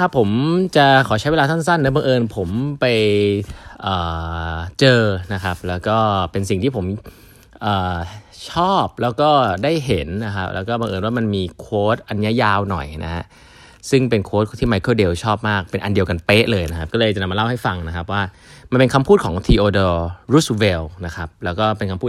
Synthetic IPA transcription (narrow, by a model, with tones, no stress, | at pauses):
kʰa˦˥˩pʰːo˩˦mt͡ɕa˨˩ʔkʰɔː˩˦t͡ɕʰa˦˥jwe˧aː˧t̪a˥˩nsa˥˩nːa˦˥˩ba˧ŋʔɤː˧npʰo˩˦mpa˧j | ʔəː˨˩t͡ɕɤː˧na˦˥kʰa˦˥p̚lɛː˦˥wkɔː˥˩pe˧nsi˨˩ŋt̪ʰiː˥˩pʰo˩˦m | ʔəː˨˩t͡ɕʰɔː˥˩p̚lɛː˦˥wkɔː˥˩daː˥˩jɦe˩˦nːa˦˥kʰa˦˥p̚lɛ̰ː˦˥wkɔː˥˩ba˧ŋʔɤː˧nwaː˥˩ma˧nmiː˧kʰoː˦˥t̪̚ʔa˧n˦a˥˩jaː˧˩wnɔ̰˨˩jna̰˦˥ha̰˦˥ʔ | sɯ˥˩ŋpe˧nkʰoː˦˥t̪̚t̪ʰiː˥˩ma˧jkʰɤː˥˩de˧wt͡ɕʰɔː˥˩p̚maː˥˩k̚pe˧nʔa˧ndi˧əwka˧npeː˦˥ʔlɤː˧jna˦˥kʰa˦p̚kɔː˥˩ɤː˧jt͡ɕa˨na˧mː˧la˥˩wha˥˩jfa˧ŋna˦˥kʰa˦˥p̬̚waː˥˩ | ma˧npe˧nkʰa˧mpʰuː˥˩kʰɔː˩˦ŋt̪ʰiː˧ʔoː˧doː˧ɾu˦˥swe˧wna˦˥kʰa˦˥p̚lɛː˦˥wkɔː˥˩pe˧nkʰa˧mpʰuː˥˩